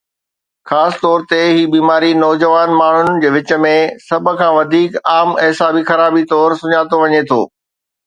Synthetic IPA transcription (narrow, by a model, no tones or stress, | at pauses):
xaːsɪ̥t̪ɔːɾt̪eɦiːbiːmaːɾinɔːd͡ʑəʋaːnmaːɳ̤ʊnd͡ʑeːʋɪt͡ɕə̆mẽsɐb̆ʱkʰãːʋɐd̪ʱiːkaːmɛɦsaːbixɐɾaːbit̪ɔːɾsʊɲaːt̪oʋɐɲet̪ʰo̰ː